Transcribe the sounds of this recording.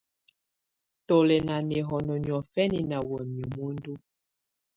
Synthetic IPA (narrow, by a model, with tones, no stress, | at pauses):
to˨lɛ˨na˨nɛ˨ɦɔ˨nɔ˨ɲ˨ɔ˨fɛ˦ni˨na˨wɛ˨mi˨mu˦ndu˦